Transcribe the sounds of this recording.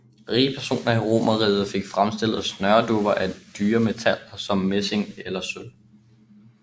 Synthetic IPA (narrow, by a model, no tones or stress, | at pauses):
ʁiːpʰæɐso̝̰ːnɐiʁo̝̰ːmɐʁḭːð̩ˠfe̝ɡ̥fʁamsd̥e̝l̰ð̩ˠsnɶɐd̥ub̥ɐʔæd̥yːɐme̝t͡sʰæl̰sɒ̽mːese̝ŋelɐsøl